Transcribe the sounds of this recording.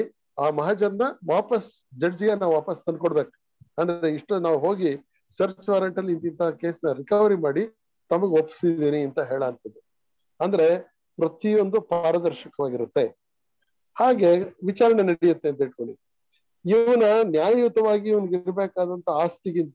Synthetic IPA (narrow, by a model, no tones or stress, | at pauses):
aːmɐɦad͡ʒɐɾɐnɐʋaːpɐs | d͡ʒɐɽd͡ʒiɡenaːʋuʋaːpɐst̪ɐnd̪koɽbeːk | ɐnd̪ɐɾeiʂʈɐnaːʋuɦo̞ːɡi | sɐɾt͡ʃʋaːɾɐɳʈɐlːint̪int̪ɐɦɐkeːsnɐɾikɐʋɐɾimaːɽi | t̪ɐmɐɡeopːsid̪iːniɐnt̪ɐɦeːɭɐːnt̪ɐd̪e | ɐnd̪ɐɾe̞ | pɾɐt̪io̞nd̪upaːɾɐd̪ɐɾʃɐkɐʋaːɡiɾut̪ːe̞ | haːɡe̞ʋit͡ʃaːɾɐɳenɐɽijɐt̪ːe̞ɐnt̪ɐiʈ̚koɭi | iʋɐnɐnjaːjjut̪ɐʋaːɡiːʋɐnɡiɾbeːkaːd̪ɐnt̪ʰɐaːst̪ikint̪